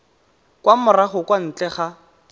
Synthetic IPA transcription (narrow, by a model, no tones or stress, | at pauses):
kwamʊraχʊkwan̩t͡ɬɛχa